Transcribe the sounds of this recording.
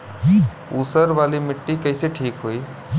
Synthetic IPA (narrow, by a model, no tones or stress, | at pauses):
uːsəɾʋaːlimɪʈːikəːseʈʰiːkɦoiː